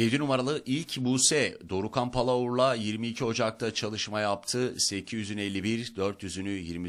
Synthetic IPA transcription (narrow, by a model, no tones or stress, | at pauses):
je̞d̪inumaɾalˠɯʔilʲcbuːsɛd̪o̞ɾukʰanpʰalˠauɾlˠajiɾmiːcʰiɦo̞d͡ʒak̚t̪ʰat͡ʃʰalˠɯʃmajapt̪ʰɯsecʰizyzynelʲːibiɾd̪øɾt̪ʰjyzynyjiɾmi